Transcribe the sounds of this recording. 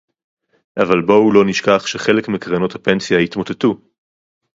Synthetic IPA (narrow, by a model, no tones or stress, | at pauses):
ʔavalboulo̞niʃkaχʃeχe̞lekmekʁano̞thape̞nsijajit̪mo̞tetu